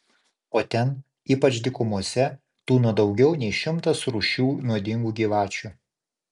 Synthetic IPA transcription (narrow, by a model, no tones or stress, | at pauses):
oːt̪ʲɛn | iːpɐt͡ʃd̪ʲɪkʊmuɔsʲɛ | t̪uːnuɔd̪ɒʊɡʲɛʊnʲɛɪʃʲɪmt̪ɐsɾuːʃʲuːnuɔd̪ʲɪŋɡuːɡʲiːʋɑːt͡ʃʲu